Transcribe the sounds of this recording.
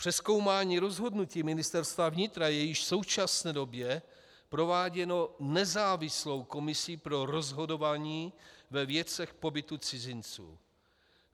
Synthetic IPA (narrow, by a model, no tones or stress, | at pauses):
pr̝̥ɛsko̞wmaːɲiːɾo̞zɦo̞dnuciːmɪnɪst̪ɛɾst̪vavɲɪt̪ɾajɛjɪʃfso̞wt͡ʃasnɛːdo̞bjɛ | pɾo̞vaːɟɛno̞nɛzaːvɪslo̞wko̞mɪsiːpɾo̞ɾo̞zɦo̞do̞vaːɲiːvɛvjɛt͡sɛxpo̞bɪt̪ut͡sɪzɪnt͡sṵː